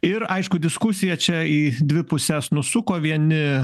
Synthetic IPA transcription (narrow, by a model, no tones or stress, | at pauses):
ɪɾɐɪʃkʊd̪ʲɪskʊsʲɪjɛt͡ʃʲɛiːd̪ʲʋʲɪpʊsʲɛsnʊsʊkoːʋʲiɛnʲɪ